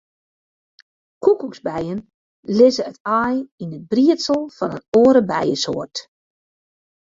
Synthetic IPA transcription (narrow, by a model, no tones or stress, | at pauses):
kukukzbɛjən | lɪzəətajinət̚briətsəlˠfɑnənoəɾəbɛjəsoːərt